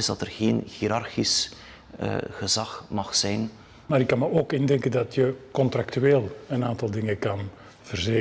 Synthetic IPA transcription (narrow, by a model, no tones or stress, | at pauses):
ɪzdɑtərɣeːnɣiːɾɑrxis | ɣəzɑxmɑχzɛjn | maːɾɪkːɑnmaoːkɪndɛŋkəndɑtjəkɔnt̪ɾaktyeːlˠənaːntɑlˠdɪŋəkɑn | v̥ərzeː